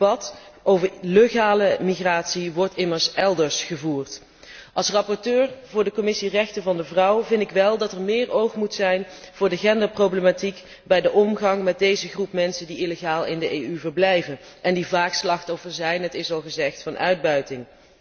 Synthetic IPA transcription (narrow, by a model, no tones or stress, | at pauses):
bɑtʔowvəɹløχaːləmiχraːtsiʋɔɹtɪməɹsɛlˠdəɹsχəvuːɹt | ʔɑlˠsrɑpɔɹtøːɹvʊːɹdəkɔmɪsirɛxtənvɑndəvrʌwvɪndɪkʋɛlˠdɑtɛɹmɪːrowχmutsɛjnv̥ʊːɹdəχɛndaːprowbləmatik | bɛjdəʔɔmɣɑŋmɛd̚dejzəχrupmɛnsəndiʔiləχaːlˠɪndəʔejyvəɹblɛjvən | ʔɛndivaːkslɑχtɔfəɹzɛjnɦətɪsɑlˠχəzɛχtfɑnœ̰ɥd̚bœɥtɪŋ